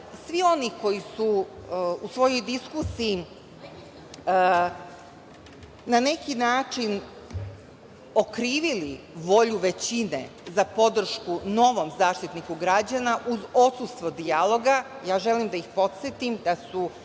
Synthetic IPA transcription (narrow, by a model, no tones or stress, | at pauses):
sʋio̞niko̞jisu | usʋo̞jo̞jd̪iskusiji | nane̞kinaːt͡ʂin | o̞kɾiːʋili | ʋo̞ʎuʋe̞t͡ɕine̞̰zapo̞d̪r̩ʃkuno̞ʋo̞mzaːʃt̪it̪nikuɡɾad͡ʑanaʔuzo̞t̪sust̪ʋod̪ialo̞ɡajaːʒe̞limd̪aixpo̞t̪t̪set̪imd̪asu